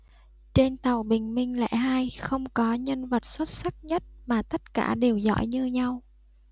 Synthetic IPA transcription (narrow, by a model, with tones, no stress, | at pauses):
t͡ɕe˧nt̪a˨˩wɓï˨˩ŋ̟mï˧ŋ̟lɛ̰˧˥ɦaː˧jxə˧wŋ͡mkɔ˨˦ɲə˧nvə˨˩t̚swə˦˥t̚sa˦˥k̚ɲə˦˥t̚maː˨˩t̪ə˦˥t̚ka̰ː˧˩ɗe˨˩wzɔ̰˧˥jɲɨ˧ɲa˧w